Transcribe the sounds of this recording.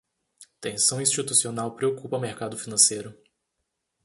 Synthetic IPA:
t̪ẽsɐ̃w̃ĩst͡ʃit̪usionawpɾeokupɐmeɾkad̪ʊfinɐ̃sejɾʊ

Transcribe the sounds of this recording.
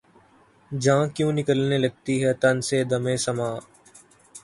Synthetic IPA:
d͡ʒãːkjũːnɪkəlnelɐɡ̚t̪iɦɛt̪ɐnsed̪ɐmẽːsɐmaː

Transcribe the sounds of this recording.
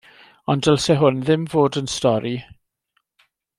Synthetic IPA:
ɔndɛlˠsɛɦʊnðɪmvoːdənstɔɾi

